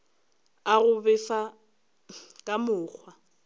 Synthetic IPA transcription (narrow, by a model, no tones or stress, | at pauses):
aɣʊbɛfa | kʼamʊːk͡xʰwa